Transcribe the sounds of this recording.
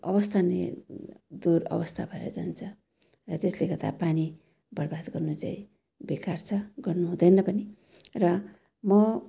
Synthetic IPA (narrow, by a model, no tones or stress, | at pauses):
ʌbʌst̪ʰanḛ | d̪urʌ̰bʌst̪ʰabʱʌeɾʌ̰d͡zant͡sʰʌ | rʌt̪eslekʌt̪a̰pani | bʌrbad̪ɡʌrnut͡sa̰ĩ | bekart͡sʰʌɡʌrnuɦũd̪ʌnʌpʌni | rʌ | mʌ